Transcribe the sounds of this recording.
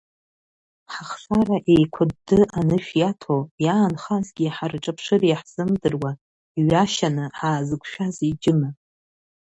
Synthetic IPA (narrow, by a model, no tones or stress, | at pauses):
ħaχsaraʔejkʷʰʊdːɨʔanɨʃᶣjatʰojaːnχazɡʲiħarʈ͡ʂʼapʰʂɨrjaħz̥ɨmdɨrwa | iɥaʃanɨħaːzɨkʷʰʼʃᶣazid͡ʒɪma